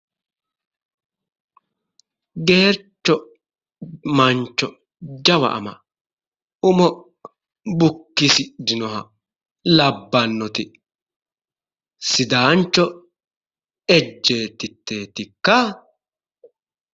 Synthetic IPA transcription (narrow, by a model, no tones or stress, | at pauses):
ɡe̞ːɾt͡ʃːɔ | mɐnt͡ʃːɔ | d͡ʒɐwɐ̰ʔɐ̰mɐ | ʊmɔ | bʊkːɪsɪd̪ɪnɔɦɐ | lɐbːɐnːɔt̪ɪ | sɪd̪aːnt͡ʃːɔ | ɛd͡ʒːe̞ːt̪ːɪt̪ːe̞ːt̪ːɪkːɐ